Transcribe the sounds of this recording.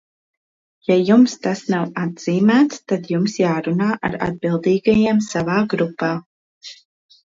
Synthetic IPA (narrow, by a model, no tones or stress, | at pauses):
jajumst̪asnawad̪z̥iːmæːt̪st̪ad̪jumsjaːɾunaːʔa̰ɾa̰d̪̚bilˠd̪iːɡajamsavaːɡɾupːaː